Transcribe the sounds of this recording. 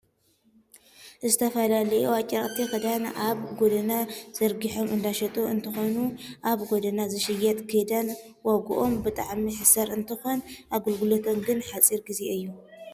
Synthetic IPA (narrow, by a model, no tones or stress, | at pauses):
zɨt̪ʰɐfɐlalɐjuat͡ʃʼːɐχʼt̪ʰixɨd̪anʔaβɡod̪ɐnaz̥ɐɾɡiħo̞mɨnd̪aʃɐt̪ʼoɨnt̪ʰɨxonuʔaβɡod̪ɐnazɨʃɨjɛt̪ʼkʰɨd̪ɐn | waɡuʔo̞mbɨt̪ʼaʕmiħɨsɐɾɨnt̪ʰɨxo̞nʔaɡɨlɡɨlot̪ʰomɡɨnħat͡sʼiɾɡizeɨjːu